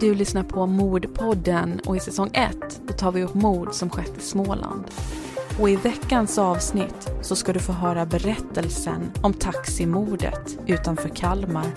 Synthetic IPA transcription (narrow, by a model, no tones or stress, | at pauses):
d̪ɵlʏsnaɾpʰɔmuːɖpʰɔd̪ːənɔ̰ɪsɛsɔŋːʔɛ̰t̪ːdɔt̪ʰɑːɾvɪɵpːmuːd̪sɔmɧɛt̪ːɪsmoːlʔa̰nd̪ | ɔɪvɛkːansɑːvsnɪt̪ːsɔskad̪ɵfoːɦœːɾabɛɾɛt̪ːəlsə̰nɔmt̪ʰaksɪmuːɖə̰t̪ | ʉ̟ːt̪anfœːɾkʰalmaɾ